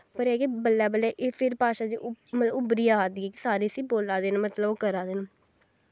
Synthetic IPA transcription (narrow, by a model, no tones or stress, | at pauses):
pəɾɛːkibəlːɛːbəlɛːʔeːpʰɪɾpaːʃaːd͡ʒḭːʔmət̪ləʊbɾiːaːaːd̪iːɛːkɪsaːɾeːsiːboːlaːd̪eːnamət̪ləboːkəɾaːd̪eːnaː